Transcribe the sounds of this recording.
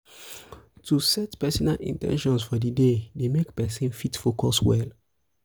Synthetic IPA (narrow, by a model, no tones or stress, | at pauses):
tusɛtpɛsɔnalḭ̃ntɛ̰̃nʃɔ̃nsfɔdidedemekpɛsĩnfitfokɔswɛ̰l